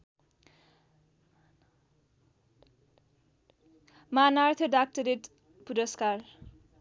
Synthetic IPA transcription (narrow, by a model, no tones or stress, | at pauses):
manart̪ʰʌɖak̚ʈʌɾeʈ | puɾʌskar